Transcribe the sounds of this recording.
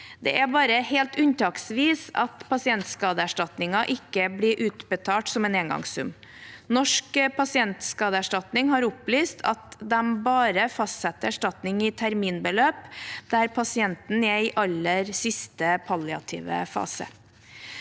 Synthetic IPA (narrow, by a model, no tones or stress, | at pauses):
d̪ɛʔæbɑːɾəheːlt̪ʉnt̪ʰɑːksʋiːsɑ̰t̪pʰɑsɪɛnt̪skɑːd̪əæʂʈɑt̪nɪŋɑʔɪkːəbliɾʔʉːt̪bət̪ʰɑːʈsɔmɛneːŋɡɑ̰ŋsʉ̰m | nɔʂkpʰɑsɪɛnt̪skɑːd̪əæʂʈɑt̪nɪŋɦɑɾʊplyːst̪ʰɑ̰t̪d̪ɛmbɑːɾəfɑst̪sɛt̪ːəæʂʈɑt̪nɪŋɪt̪ʰæɾmiːnbəløːpd̪æɾpʰɑsɪɛnt̪n̩ɛɪʔɑlːəɾsɪst̪əpʰɑlɪɑ̰t̪ʰḭːʋə̰fɑ̰ːsə̰